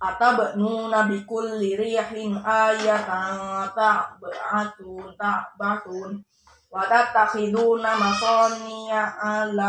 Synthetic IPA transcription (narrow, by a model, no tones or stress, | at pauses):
ʔat̪abəʔnunabikulːiɾiħinajat̪aat̪abəʔat̪unt̪abat̪un | wat̪aʔ̚t̪akid̪unamasɔniaʔala